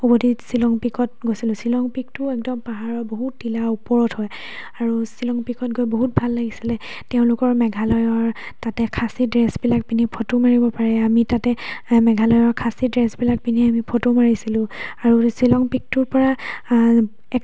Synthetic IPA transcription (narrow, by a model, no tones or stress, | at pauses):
ubodʱisilɔŋpikɔt̚ɡojsilʊ̃silɔŋpik̚tʊɛk̚dɔmpaɦaɹɔboɦutːilaupɔɹɔthɔj | aɹusilɔŋpikɔt̚ɡojboɦut̚bʱalːaɡisilɛ | tɛʊ̃lʊkɔɹmɛɡʱalɔjɔɹ | tatɛkʰasidɹɛsbilak̚pinipʰotomaɹibɔpaɹɛamitatɛmɛɡʱalɔjɔɹkʰasidɹɛsbilak̚piniamipʰotomaɹisilʊ̃aɹusilɔŋpik̚tʊɹpɔɹa | ɛ